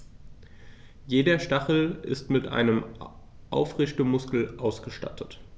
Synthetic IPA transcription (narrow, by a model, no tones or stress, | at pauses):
jeːdɐʃtaχl̩ʔɪ̰stmɪtʔa̰ɪnəm | ʔa̰ʊfʁɪçtəmʊskl̩ʔaʊsɡ̥əʃta̰tʰət